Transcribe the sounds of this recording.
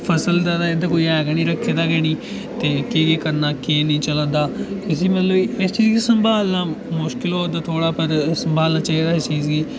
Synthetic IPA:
pʰəsəld̪aːd̪aːɪd̪aːkoːiːɛːɡaːnĩːɾəkʰːeːd̪aːɡɛːñĩː | t̪eːkeːɡeːkəɾnaːkeːnĩːt͡ʃələ̃nd̪aːɪs̬iːmət̪ləbiːɪst͡ʃiːzɡiːsəmbʱaːlnaːmʊʃkɪloːd̪aːt̪ʰoːɽaːpəɾsəmbʱaːlnaːt͡ʃaːiːd̪aːɪst͡ʃiːzɡiː

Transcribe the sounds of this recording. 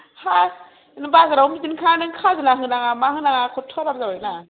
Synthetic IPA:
ha | nbazɯɾawmidinkʰanɯŋkʰazɯnaɦɯnaŋamahɯnaŋakʰɔtʰɔɾabzawajna

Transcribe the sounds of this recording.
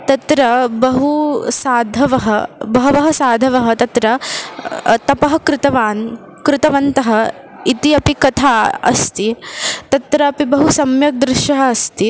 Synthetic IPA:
t̪ɐt̪ɾɐbɐɦusaːd̪ʱɐʋɐɦɐbɐɦɐʋɐɦɐsaːd̪ʱɐʋɐɦɐ̆t̪ɐt̪ɾɐ | t̪ɐpɐɦɐkɾɪt̪ɐʋaːn | kɾɪt̪ɐʋɐnt̪ɐɦɐ | it̪iɐpikɐt̪ʰaːɐ̰st̪it̪ɐt̪ɾɐːpibɐɦusɐmjɐk̚d̪ɾɪʃjɐɦɐːst̪i

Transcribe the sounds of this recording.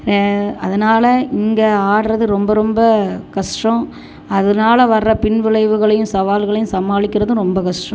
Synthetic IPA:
ɐðɐnaːlɐɪŋɡɐaːɽɾɐðɯɾɔmbɐɾɔmbɐkɐʂʈrɐ̃ | ɐðɐnaːlɐʋɐrːɐpɪɳʋɪɭɐɪʋɯɣɐɭɐjɯ̃msɐʋaːlɣɐɭɐjɯ̃msɐmaːlɪkʲːɪɾɐðɯ̃ɾɔmbɐkɐʂʈrɐ̃

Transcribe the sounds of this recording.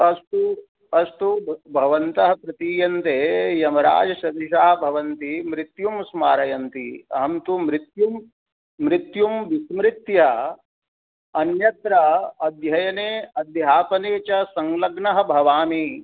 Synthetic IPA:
ɐst̪u | ɐst̪ubʱɐʋɐnt̪ɐɦɐpɾɐt̪iːjɐnt̪eːjɐmɐɾa̰ːd͡ʒɐʃɐt̪iʃaːɦɐ̆bʱɐʋɐnt̪imɾit̪jumsmaːɾɐjɐnt̪iɐ̰ɦɐmt̪umɾɪt̪jumː | ɾɪt̪jumʋismɾit̪jɐ | ɐnjɐt̪ɾɐɐd̪jɐjɐneːɐd̪jaːpɐneːt͡ʃɐsɐŋlɐɡnɐɦɐ̆bʱɐʋaːmi

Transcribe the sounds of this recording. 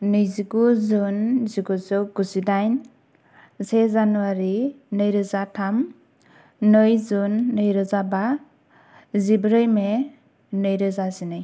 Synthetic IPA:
nɯjziɡuzɯnziɡuzɯɡusidajn | sezanuwaɾi | nɯjɾɯzatʰam | nɯjzunːɯjɾɯzaba | zibɾɯjme | nɯjɾɯzazinɯj

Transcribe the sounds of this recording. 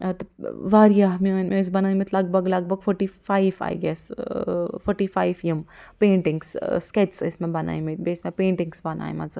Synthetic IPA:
t̪ʋaːɾijaɦmnmẽɪs̬bɐnaːĩmet̪lɐɡ̚bʱɐɡlɐɡ̚bʱɐɡfʰɔɾʈiːfaːiʋa̰jɡɛs | fʰɔɾʈiːfaːɪʋjempẽːɳʈɪ̃ŋɡssket͡ʃsɪ̰smẽbɐna̰ːĩmit̪̚besmẽpẽːɳʈɪ̃ŋɡsbɐna̰ːḭmɐnzɐ

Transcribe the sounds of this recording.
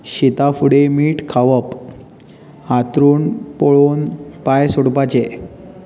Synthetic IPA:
ɕit̪afuɽemiːʈkʰaʋəp | at̪ɾuːnpoɭoːnpajsoɽpat͡ɕe

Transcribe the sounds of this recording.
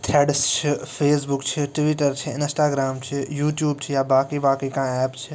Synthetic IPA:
t̪ʰɛːɖst͡ʃʰipʰeːsbʊkt͡ʃʰiʈʋiʈəɾt͡ʃʰiɪ̃nsʈaːɡɾaːmt͡ʃʰijuːʈjuːbt͡ʃʰijabaːkibaːkekãɛːpt͡ʃʰi

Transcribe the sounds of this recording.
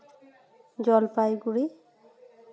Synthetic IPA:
d͡ʒɔlpajɡuɹi

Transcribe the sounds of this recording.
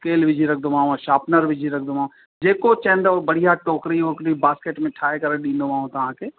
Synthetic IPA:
keːlʋɪd͡ʒiɾɐk̚ʰd̪omãːãʃaːpnəɾʋɪd͡ʒʱiɾɐk̚ʰd̪omãː | d͡ʒeːkot͡ʃɛ̃ːnɖ̪ɔːɾbɐɽ̤ijaʈoːkɾioːkɾibaːskeːʈmẽʈʰaːekɐɾəɗĩːnd̪oʋãːɦõt̪ɐãːkeː

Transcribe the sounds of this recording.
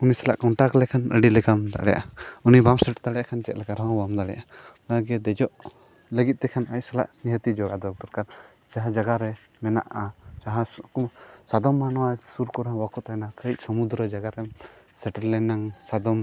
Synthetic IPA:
unisɛla̰ʔkɔɳʈaklɛkʰanə̰ɖilɛkamd̪a̰ʔɽɛjʔa̰unibamsɛʈd̪aɽɛjaʔkʰant͡ʃɛt̪̚ˀlɛkaɾɔɦɔ̃bamd̪aɽɛjʔa | əɡɛd̪ɛd͡ʒɔʔ | ləɡit̪̚ˀt̪ɛkʰanac̚ˀsɛla̰ʔniɦət̪id͡ʒɔɡad̪ɔk̚t̪ɔɾkaɾ | t͡ʃaɦad͡ʒaɡaɾɛ | mɛna̰ʔat͡ʃaɦã | sad̪ɔmːanɔwasuɾkɔɾãwakɔt̪anakəc̚sɔmud̪ɾəd͡ʒaɡaɾɛm | sɛʈəɾlɛnaŋsad̪ɔm

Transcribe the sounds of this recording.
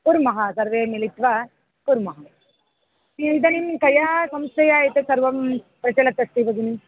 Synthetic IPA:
puɾmɐɦasɐɾʋeːmɪlit̪ʋa | puɾmɐɦɐ | ind̪ɐnimkɐjaːsɐmst̪ɐjaːjɐt̪ːɯsɐɾʋɐm | pɾɐt͡ʃɐlɐt̪ːɐsʈ̪iʋɐɡini

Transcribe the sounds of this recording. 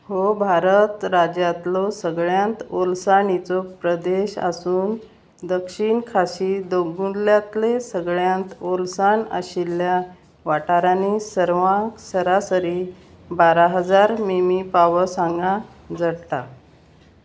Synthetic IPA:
hobʱaɾət̪ɾad͡ʑjat̪losəɡɭjãnt̪olsaɳit͡sopɾəd̪eɕa̰suːn | d̪əkɕiɳkʰaɕiːd̪oɡuɳljat̪lesəɡɭjãnt̪olsaɳə̰ɕilːja | ʋaʈaɾanisəɾʋãksəɾasəɾi | baɾaɦəd͡zaɾmimipaʋəsãŋɡã | d͡zəɽt̪a

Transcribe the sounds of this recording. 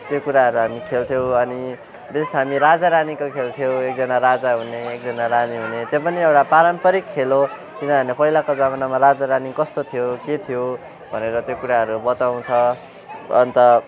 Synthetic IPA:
t̪jokuɾaɦʌɾuɦamikʰelt̪ʰjow̃ʌni | besɦamiɾad͡zaɾanikokʰelt̪ʰijowek̚d͡zʌnaɾad͡zaɦuneek̚d͡zʌnaɾaniɦunet̪jopʌniewʈapaɾʌmpʌɾikʰːelo | kinʌanepʌɦilakod͡zaβʌnamaɾad͡zaɾanikʌst̪ot̪ʰijoket̪ʰijo | bʱʌneɾʌt̪jokuɾaɦʌɾubʌt̪aw̃t͡sʰʌ̰ː | nt̪ʌ

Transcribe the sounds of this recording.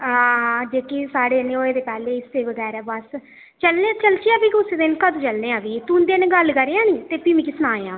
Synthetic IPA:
aːd͡ʒeːkiːsaːɽeːneːoːeːd̪eːpɛːleːɪseːʋəɡɛːɾɛːbəs | t͡ʃəlnẽːt͡ʃəlt͡ʃiɛːbiːkʊseːd̪ɪnkəd̪ːt͡ʃəlnẽːãːbiːt̪uːnd̪eneɡəlkəɾeːãːniːt̪eːpiːmĩːkɪsnaːeãː

